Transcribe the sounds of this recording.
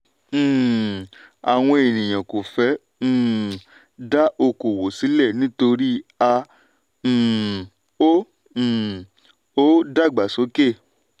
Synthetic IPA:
a˨w̃ɔ̃˧e˨nĩ˨j̃ã˨ko˨fɛ̃ː˨˦˨ | da˦ʔo˧ko˨wo˨si˨˦lɛ˦˨nĩ˨˦to˧ɾi˦ã˧˨ | õ˦˨ | o˦da˦˨ɡ͡ba˨so˨˦ke˦˨

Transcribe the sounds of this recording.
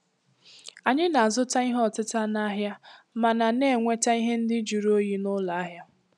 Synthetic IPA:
a˨ɲɪ˦na˨zʊ˦ta˦i˦ɦɔ˨tɪ˦ta˦na˦ɦja˦ma˨na˨ne˦˨ŋʷe˦ta˦i˦ɦe˦n̩˦dɪ˦d͡ʒu˨ɾo˦ji˦nʊ˦la˨a˦ɦja˦

